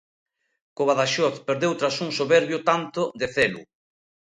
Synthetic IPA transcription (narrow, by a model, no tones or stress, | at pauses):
koβaðaʃɔt̪peɾðewt̪ɾasuŋsoβɛɾβjot̪ant̪oðeθɛlṵ